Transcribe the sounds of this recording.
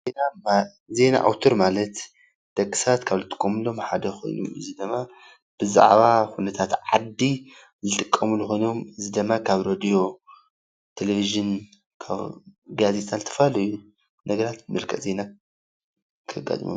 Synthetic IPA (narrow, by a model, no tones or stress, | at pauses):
zenam | ze̞na̰ʔa̰wt̪ʰoɾmalɐt̪ | d̪̥ɐkʼːi̥sat̪kʰaβzɨt̪ʼɨ̥kʼːomɨlo̞mħad̪ɐxʰo̞̰jnṵmɨ̰zid̪ɨmːa | b̥ɨza̰ʕβaxunɐt̪ʰat̪ʕa̰d̪ːi | zɨt̪ʼɨkʼːɐmulːuxo̞jno̞mɨzid̪ɨmːakʰaβɾod̪ijo̞ | t̪ʰeleviʒɨn | kʰa̰βɡazet̪ʼant̪ʰɨ̥fɐlɐju | nɐɡɐɾat̪ɨmɐlkʰɐ̰ʔze̞na | kʰɨɡa̰t̪ʼmṵ